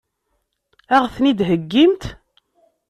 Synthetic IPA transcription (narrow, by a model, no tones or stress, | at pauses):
æʁθnid̪ɦəɡːimt̪